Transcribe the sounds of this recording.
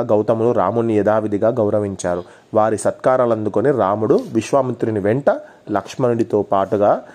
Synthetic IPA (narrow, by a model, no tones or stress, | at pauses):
ɡɐwt̪ɐmunuɾa̰ːmunːijɛd̪aːʋid̪iɡaːɡɐwɾɐʋiɲt͡ʃaːɾu | ʋaːɾisɐt̪kaːɾaːlɐnd̪ukoniɾaːmuɽuʋiʃʋaːmint̪ɾiniʋɛɳʈɐ | lɐkʂmɐniɽit̪oːpaːʈuɡaː